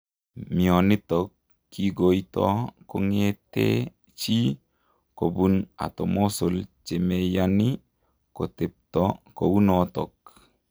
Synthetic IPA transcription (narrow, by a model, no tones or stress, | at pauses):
mionit̪ɔkː | iɡojt̪ɔkoŋet̪ḛ | t͡ʃi | kobuna̰t̪omosolt͡ʃemejani | kot̪ep̚t̪ɔkowunɔt̪ɔ̰k